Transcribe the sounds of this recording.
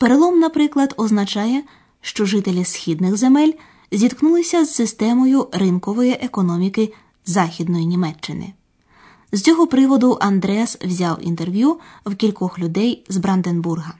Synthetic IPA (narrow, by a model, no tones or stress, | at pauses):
peɾelˠɔmnɐpɾɪklˠɐd̪ɔznɐt͡ʃɑjɛ | ʃt͡ʃɔʒɪt̪elʲisxʲid̪nɪxze̞mɛlʲ | zʲid̪knulˠɪsʲɐzːɪst̪ɛmɔjʊɾɪnkɔʋɔjiʔekɔnɔmʲikɪ | zɑxʲid̪̚nɔjinʲimɛt͡ʃːɪnɪ̰ | z̥t͡sʲɔɦɔpɾɪʋɔd̪ʊʔɐnd̪ɾɛswzʲawḭnt̪e̞rʋʲju | wkʲilʲkɔxlʲʊd̪ɛjzbɾɐnd̪enburɦɐ